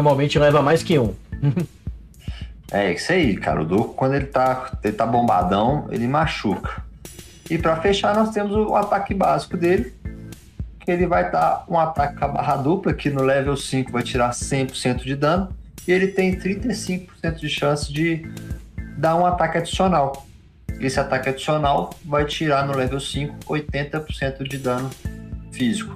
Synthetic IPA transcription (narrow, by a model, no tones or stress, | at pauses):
ɾmawmẽnt͡ʃɪlɛvɐmajskɪũ | ɛ̰isɐikʰa̰ɾʊ̰d̪ukʊ̥kwɐ̃nd̪ʊelɪt̪aelɪt̪abõmba̰d̪ɐ̃w̃ḛlɪmaʃukɐ̥ | ɪpɾɐfeʃaɾnɔst̪ẽmʊzʊat̪akɪbazikʊd̪elɪ | kʰɪelɪvajd̪aũat̪akɪkɐba̰ɦɐd̪uplɐkɪnʊlɛvewsĩkʊvajt͡ʃiɾaɾsẽj̃pʊɾsẽnt̪ʊd͡ʒɪd̪ɐ̃nʊɪelɪt̪ẽj̃t̪ɾĩt̪ejsĩŋkʊ̥pʊ̥ɾsẽnt̪ʊd͡ʒɪʃɐ̃sɪ̥d͡ʒɪ | d̪aɾũat̪akɪad͡ʒi̥sionaw | esɪat̪akɪad͡ʒisionawvajt͡ʃiɾanʊlɛvewsĩkʊ̥ojt̪ẽnt̪ɐpoɾsẽnt̪ʊd͡ʒɪd̪ɐ̃nʊfizikʊ̥